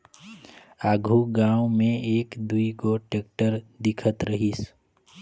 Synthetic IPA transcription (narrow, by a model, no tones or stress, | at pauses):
aːɡʱuɡãːwmẽeːkd̪uiɡoʈeːk̚ʈəɾd̪ɪkʰət̪ɾəɦis